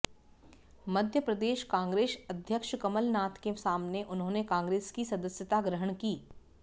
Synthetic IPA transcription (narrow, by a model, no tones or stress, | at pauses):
mɐd̪ʱjəpɾɐd̪eːʃkãːŋɡɾeːʃɐd̪ʱjəkʃkɐməlnaːt̪kesaːmneʔʊnɦõːnekãːŋɡɾeːskisɐd̪əsjət̪aɡɾəɦəɳ̃kiː